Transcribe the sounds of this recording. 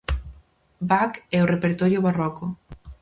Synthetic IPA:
bakɛorepeɾt̪ɔɾjoβarɔko

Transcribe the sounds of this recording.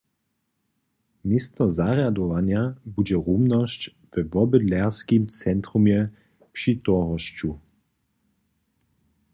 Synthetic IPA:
mʲɪst̪ɔzaʁjad̪ɔvanjabud͡ʑɛʁumnɔɕt͡ɕ | vɛvɔbɨd̪lɛʁskimt͡sɛnt̪ɾumjɛ | pʃit̪ɔʁɔɕt͡ɕu

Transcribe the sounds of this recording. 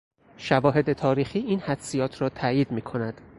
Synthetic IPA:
ʃævɒːɦe̞d̪e̞t̪ʰɒːɾiːxiːʔiːnhæd̪̥sijɒːt̪ʰɾɒːt̪ʰæːjiːd̪miːkʰo̞næd̪̥

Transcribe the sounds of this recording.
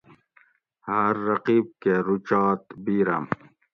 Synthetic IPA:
hɐɾːɐqiːb̚keɾut͡ʃɑːt̪biːɾɐ̰m

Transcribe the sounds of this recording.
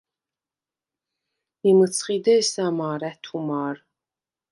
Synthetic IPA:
imɨt͡sʰχiːd̪ɐisaːmaːɾæt̪ʰumaːr

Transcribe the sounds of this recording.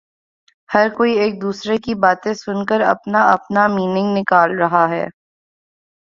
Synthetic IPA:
hɐɾkoːieːk̚d̪uːsɾekibaːt̪ẽsʊnkəɾɐ̰pnaɐpnamiːnɪ̃ŋɡnɪkaːlɾɐɦaɦɛ̰ː

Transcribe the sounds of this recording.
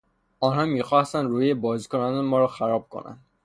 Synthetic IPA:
ɒːnhɒːmiːxɒːst̪ænd̪ɾuːebɒːziːkonɒnemɒːɾɒxæɾɒːb̚kʰo̰nʔæ̰nd̪̥

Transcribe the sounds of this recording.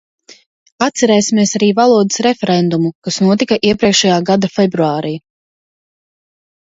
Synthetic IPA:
at̪sɛɾɛːjsimieɛsaɾiːvalˠuɔd̪ɨsɾɛfʲɛɾɛnd̪umukasnuɔt̪ikaʔiɛpɾiɛkʃajaːɡad̪afɛbɾuaːɾiː

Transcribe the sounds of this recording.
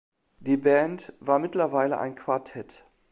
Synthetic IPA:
d̥iːbɛntv̥aːɐmɪtlɐvaɪləʔa̰ɪnkv̥aɐtʰɛt

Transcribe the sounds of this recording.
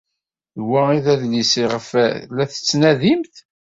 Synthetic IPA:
ðwæiðæðlisiʁəflæθə̥t͡sːnæðimθ

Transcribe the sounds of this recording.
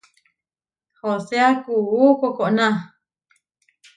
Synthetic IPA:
hoseakuukokoʔnã

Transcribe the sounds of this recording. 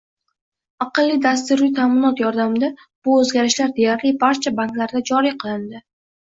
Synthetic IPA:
aqɨlˠːɪd̪ast̪ɪɾujt̪ʰaːmɪnɒt̪jɒɾd̪amɪd̪a | b̥ʊɵzɡʲaɾɪʃlaɾd̪e̞jaɾlɪbaɾt͡ʃʰabaŋk̪laɾd̪ad͡ʒɒɾiqʰɨlˠɪnd̪ɪ

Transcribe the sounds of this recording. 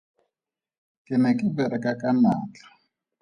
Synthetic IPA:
kʼɪnɛkʼɪbɛɾɛkʼakʼama̰ːt͡ɬḁ

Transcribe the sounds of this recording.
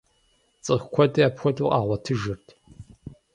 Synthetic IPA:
t͡sʼɨʁkʷʰɔtʼɐaːpxʷɔdʼṵʔa̰ːʁʷɐtʰɨʒɨrtʰ

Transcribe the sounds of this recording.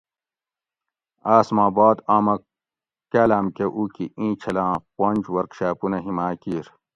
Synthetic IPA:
aːsmãːbaːd̪aːmɐ | kaːlaːmkeʔuːkiʔĩːt͡ɕʰɐlãːponʲd͡ʑwɐɾkɕaːpunɐɦimaːkiːɾ

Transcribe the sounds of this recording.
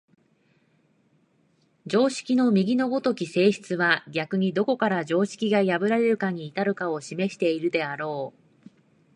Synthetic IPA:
d͡ʑo̞ːɕi̥kʲino̞mʲiɡʲino̞bo̞t̪o̞kʲise̞ːɕi̥t͡sɨβaɡʲakɯ̟ɲ̟id̪o̞ko̞kaɾad͡ʑo̞ːɕi̥kʲiɡajabɯ̟ɾaɾe̞ɾɯ̟kaɲ̟iːt̪aɾɯ̟kao̞ɕime̞ɕi̥t̪e̞iɾɯ̟d̪e̞aɾo̞ː

